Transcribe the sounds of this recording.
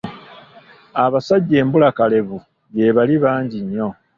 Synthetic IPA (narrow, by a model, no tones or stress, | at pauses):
aβasaɟːe̞ːmbulakale̞βu | je̞βaliβaːɲɟiɲːo̞